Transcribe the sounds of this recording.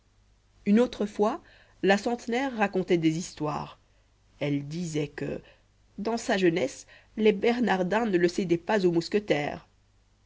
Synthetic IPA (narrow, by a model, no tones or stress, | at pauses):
ynot̪χəfwa | lasɑ̃t̪nɛʁːakɔ̃t̪ɛd̪ezist̪wa̰ːʁ | ɛld̪izɛkə̰ | d̪ɑ̃saʒənɛs | lebɛʁnaʁd̪ɛ̃nələsed̪ɛpazomuskət̪ɛ̰ːʁ